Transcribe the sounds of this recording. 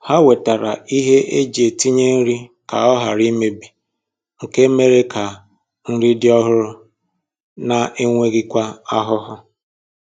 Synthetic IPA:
ha˦we˨ta˨ɾa˨i˦ɦe˦ʔe˦d͡ʒe˨ti˦ɲe˦n̩˦ɾi˦ka̰˨ɔ˦ɦa˨ɾi˦me˦bi˨ | ŋ̩˨ke˦me˦ɾe˦kʰa˨ | n̩˦ɾi˦dɪ˦ɔ˦ɦʊ˦ɾʊ˦ | na˨ʔe˦ŋʷe˦ɣi˦kʷa˦a˦ɦʊ˦ɦʊ˦

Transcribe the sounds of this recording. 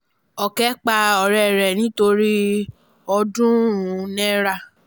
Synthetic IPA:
ɔ˨kɛ˦k͡pa˧ɔ˨ɾɛ˨ɾɛ˨nĩ˨˦to˧ɾi˦ | ɔ˧dũ˦ũ˨˦nɛ̃˦ɾa˦˨

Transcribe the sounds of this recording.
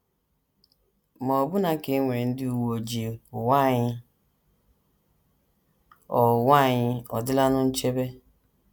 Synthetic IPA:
mɔ˨bʊ˦na˨ke˨˦ŋʷe˨n̩˦dɪ˦u˨wo˨d͡ʒi˨ʊ˨wa˦˨ɲɪ˦ | ɔ˨wa˦˨ɲɪ˦ɔ̰˨dɪ˦la˦nʊ˦n̩˦t͡ʃe˦be˦

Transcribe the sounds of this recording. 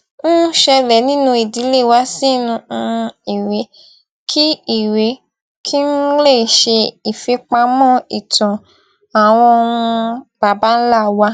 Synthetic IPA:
ñ̩˦ʃɛ˧lɛ˨nĩ˦nũ˧i˨di˨˦le˦˨wa˦sĩ˦nũ˧i˨ɾe˨˦ | kʰi˦i˨we˨˦ | kʰi˦n̩˦le˦˨ʃe˧i˨fe˧˦k͡pa˧mɔ̃˦i˨tɔ̃˨ | a˨w̃ɔ̃˧o˧wũ˧b̥a˨ba˨˦n̩˦la˦˨wa˧˦

